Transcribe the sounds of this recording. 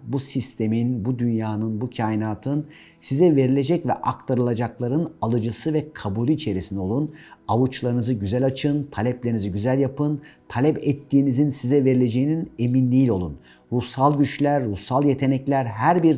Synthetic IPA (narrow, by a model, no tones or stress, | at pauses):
busist̪ʰe̞minbud̪ynjaːnɯnbucʰaːjinaːt̪ʰɯn | sizɛve̞ɾilʲe̞d͡ʒɛcvɛ̰ʔak̚t̪ʰaɾɯlˠad͡ʒaklˠaɾɯnalˠɯd͡ʒɯsɯvɛkʰabuːlʲiːt͡ʃʰe̞ɾisinɛo̞lˠunavut͡ʃlˠaɾɯnɯzɯɟyzælʲat͡ʃʰɯnt̪ʰalʲɛplʲeɾiniziɟyzælʲjapʰɯnt̪ʰalʲɛpɛt̪ːiːnizinsizɛve̞ɾilʲe̞d͡ʒe̞jinine̞minlʲiilʲo̞lˠun | ɾusalˠɟyt͡ʃlʲæɾːusalˠje̞t̪ʰe̞nɛclʲæɾɦæɾbiɾ